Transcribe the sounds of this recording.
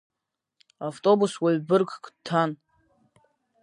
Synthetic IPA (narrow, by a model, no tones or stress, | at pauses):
avtʼobuswaɥbɨrkʰʼkʼdtʰan